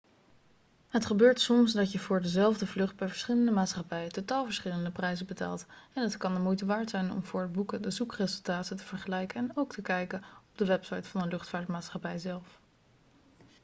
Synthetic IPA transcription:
ɦətχəbøːɹtsɔmsdɑcjəvʊːɹdəzɛlˠvdəvlɵχd̚bɛjvəɹsχɪləndəmaːtsχɑpɛjətotaːlˠvəɹsχɪləndəprɛjzəbəta̰ːlˠtɛnətkɑndəmujtəʋaːɹtsɛjnɔ̰mvʊːɹəd̚bukədəzukrezɵlˠtaːtətəv̥əɹχəlɛjkəɛnowktʰəkɛjkəɔb̚dəʋɛpsɑjtfɑnənlɵχtfaːɹtmaːtsχɑpɛjzɛlˠf

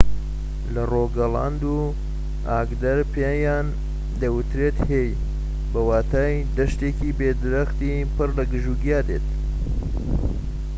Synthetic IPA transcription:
lɐroːɡɐla̰nd̪u | aːɡd̪ɐɾpʰejaːn | d̪ɐwɨt̪ɾet̪hej | bɐwaːt̪ʰaːj | d̪ɐʃt̪ekibeːd̪ɨɾɐxt̪i | pɨrlɐɡɨʒuɡijaːd̪eːt̪̚

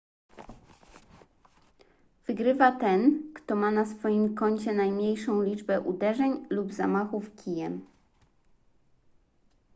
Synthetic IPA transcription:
v̥ɘɡɾɘvat̪ɛnkt̪ɔmanasfɔjimkɔɲt͡ɕɛnajmɲejʂɔ̃w̃lʲid͡ʐbɛʔud̪ɛʐɛɲlubza̰maxufkʲijɛm

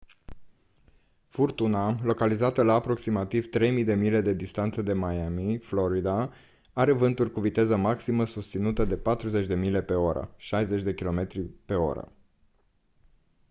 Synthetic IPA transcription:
furt̪unalo̞kalizat̪əlaːpɾo̞ksimat̪ivt̪ɾe̞jmid̪e̞mile̞d̪e̞d̪ist̪ant̪səd̪e̞majamiflo̞ɾid̪a | aɾe̞vɨnt̪urʲkuvit̪e̞zəmaksiməsust̪sinut̪əd̪e̞pat̪ɾuzet͡ʃʲd̪e̞mile̞pe̞o̞ɾə̰ʃajze̞t͡ʃʲd̪e̞kʲilo̞me̞t̪ɾipe̞o̞̰ɾə̰

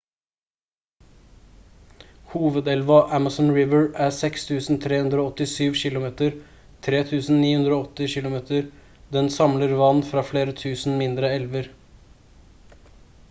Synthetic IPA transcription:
huːʋəd̪ɛlʋɑʔæmɑsnɹɪʋəɹæsɛkst̪ʰʉːsn̩t̪ʰɾeːhʉnd̪ɾoːɔt̪ɪsyːʋçɪlʊmeːt̪əɾ | t̪ʰɾeːt̪ʰʉːsn̩niːhʉnd̪ɾoːɔt̪ːɪçɪlʊmeːt̪əɾ | d̪ɛnsɑmləɾʋɑnːfɾɑːfleːɾət̪ʰʉːsn̩mɪnd̪ɾəɛlʋəɾ

